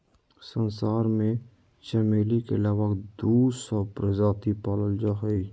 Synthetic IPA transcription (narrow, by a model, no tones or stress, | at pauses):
sənsaːɾmẽ | ʃɛmeːlikeəlaːwəkd̪uːsɔpɾəd͡ʒaːt̪ipaːləld͡ʒaɦəi